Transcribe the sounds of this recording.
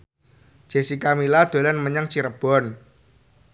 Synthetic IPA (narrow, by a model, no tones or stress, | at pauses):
ʒ̥e̤sikamilad̪̥o̤lanməɲəŋt͡ʃiɾəb̥ɔn